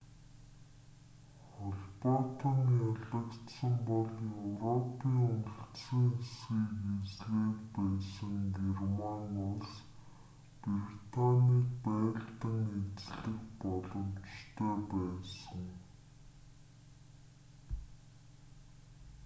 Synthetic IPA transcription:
χɔɮpɔt̪ɔnjaɮə̆kt̪sə̆mpɔɮjewrɔpʰiːŋʊnə̆ɬt̪siŋesɡiːket͡sɣeːkpæːsə̆ŋɡermanʊɮs | prit̪ʰaniːkpæːɬt̪ə̆ŋet͡sɮɘ̆kpɔɮɞ̆mt͡ɕt̪ʰœːpæːsə̆ŋ

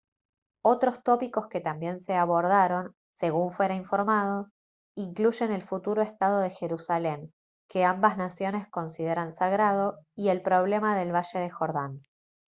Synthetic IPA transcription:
o̞t̪ɾo̞st̪o̞piko̞ske̞t̪ambje̞nse̞aβo̞ɾðaɾo̞n | se̞ɣuɱfwe̞ɾaiɱfo̞ɾmað̞o̞ | iŋkluʒe̞ne̞lfut̪uɾoe̞st̪að̞o̞ð̞e̞xe̞ɾusale̞ŋ | ke̞ambaznasjo̞ne̞sko̞nsið̞e̞ɾansaɣɾað̞o̞ie̞lpɾo̞β̞le̞maðe̞lβaʃe̞ðe̞xo̞ɾðan

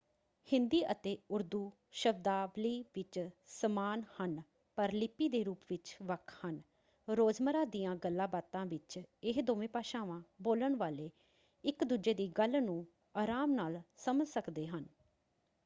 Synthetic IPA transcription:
hɪ̃nd̪iːʔət̪eːʊɾd̪uː | ʃəbd̪aːʋliːʋɪt͡ʃsəmaːnhən | pəɾlɪpːiːd̪eːɾuːpʋɪt͡ʃʋəkʰhən | ɾoːd͡ʒməɾaːd̪ijãːɡəlːaːbaːt̪ãːʋɪt͡ʃɪɦd̪oːʋẽːpaːʃãːʋãːboːləɳʋaːleː | ɪkd̪uːd͡ʒeːd̪iːɡəlnũː | aːɾaːmnaːlsəməlsəkd̪eːɦən

